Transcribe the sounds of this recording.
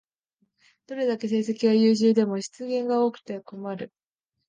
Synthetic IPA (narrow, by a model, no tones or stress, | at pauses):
d̪̥o̞ɾe̞d̪ake̞s̬e̞ːse̞kʲiβajɯːʑɨːd̪e̞mo̞ɕi̥t͡sɨɡẽ̞ŋɡao̞ːkɯ̟̥t̪e̞ko̞maɾɯ̟